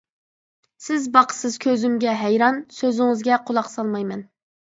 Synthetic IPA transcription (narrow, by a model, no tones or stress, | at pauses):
sɪzbɑqʰə̥sɨz̥kʲʰøzymɡʲɛɦæjɾɑnsøzɪŋɪzɡʲɛqʰolˠɑqsɑlˠmɑjmɛn